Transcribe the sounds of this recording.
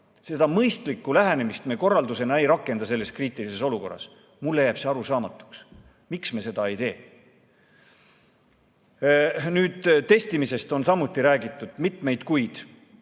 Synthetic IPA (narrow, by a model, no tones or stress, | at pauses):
se̞d̪̥ɑmɤjst̪likːˑulæɦene̞mist̪meːko̞rːɑld̪use̞nɑe̞jɾɑkːˑe̞nd̪ɑse̞lːe̞skriːt̪ˑilise̞so̞luko̞rːɑ̰s | mulːejæb̥seɑɾusɑːmɑt̪ːˑu̥ks | miksmese̞d̪ɑejt̪e̞ː | nyːd̪̥t̪e̞st̪imise̞st̪o̞nsɑmːut̪ːˑiɾæːɡit̪ːˑud̪̥mit̪me̞jd̪kujd̪̥